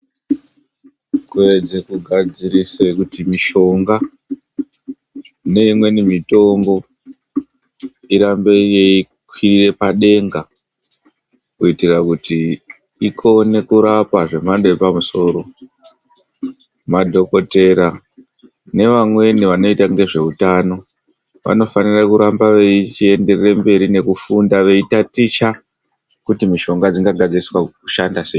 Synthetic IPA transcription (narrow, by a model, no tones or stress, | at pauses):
kue̞d͡zekuɡʱad͡ziɾisekutimiʃo̞ŋɡa | ne̞imwe̞nimito̞ŋɡo̞ | iɾambe̞je̞i | kʰwirire̞paɗe̞ŋɡa | kuitirakuti | ikʰo̞ne̞kuɾapaʐe̞mandoepamuso̞ːɾo̞ | madʱo̞ko̞te̞ɾa | ne̞ʋamwe̞niʋano̞itaŋɡe̞ʐe̞utano̞ | ʋa̰no̞fanirakuɾambaʋeit͡ʃie̞nde̞rrembe̞ɾine̞kufundaʋe̞itatit͡ʃa | kutimiʃo̞ŋɡad͡ziŋɡaɡʱad͡ziriswaku̥ʃandasei